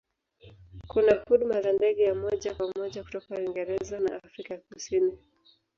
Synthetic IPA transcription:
kunahuɗmazandɛɠɛjamɔʄapamɔʄaku̥tɔkawiŋɡɛɾɛzana̰ʔafɾikajakusini

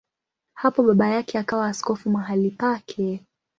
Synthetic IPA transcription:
hapɔɓaɓajakɛakawaːskɔfumaɦalipakʰɛ

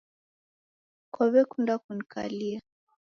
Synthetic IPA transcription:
kɔβɛkundakunikʰa̰lia

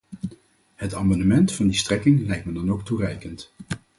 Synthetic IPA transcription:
hətaːmɑnəmɛntfɑndistrɛkɪŋlɛjk̚tmɛdɑnowkturɛjkənt

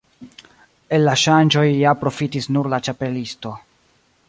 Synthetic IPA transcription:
e̞lːaʃand͡ʒo̞jːapɾo̞fitisnuɾlat͡ʃape̞listo̞

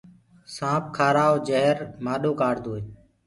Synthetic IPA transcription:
sãːp̚kʰaːɾaːod͡ʒəɦɾmaːɗoːkaːɽd̪oːeː

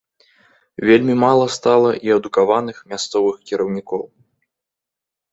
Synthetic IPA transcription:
vʲelʲmʲimalˠɐst̪alˠɐʔiɐd̪ukavanɨxmʲast̪sɔvɨxkʲiɾɐwnʲikɔw

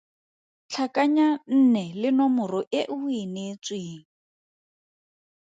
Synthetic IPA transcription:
t͡ɬʰakʼaɲan̩nɛlɪnɔmʊrɔʔɪʔʊinet͡sʼwiːŋ̩

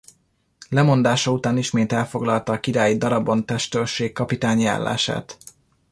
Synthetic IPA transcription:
lɛmo̞nd̪aːʃɒut̪aːniʃmeːt̪ɛlfo̞ɡlɒlt̪ɒːkiɾaːjid̪ɒɾɒbo̞nt̪ɛʃt̪ølʃeːkkːɒpit̪aːɲja̰ːlːa̰ːʃa̰ːt̪

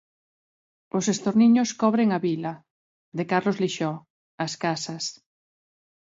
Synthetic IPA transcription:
osest̪oɾniɲoskɔβɾeŋaβila | ðekaɾlozliʃɔ | askasas

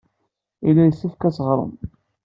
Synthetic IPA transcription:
ilːæjəsːæfkæsəʁɾˤə̰m

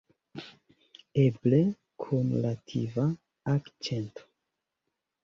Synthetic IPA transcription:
eble | kʰunlatʰḭva | akt͡ʃe̞ntʰo̥

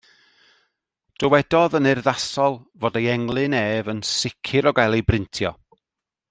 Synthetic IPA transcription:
d̥əwɛdɔðənɪrðasɔlˠvoːdejɛŋlˠɨneːvənsɪkʰɪɾɔɡajlˠejbrɪntʰjɔ̰

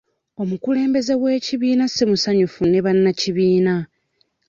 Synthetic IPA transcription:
o̞mukule̞ːmbe̞ze̞ɣwe̞ːciβiːnasemusaɲufune̞βanːaciβiːna

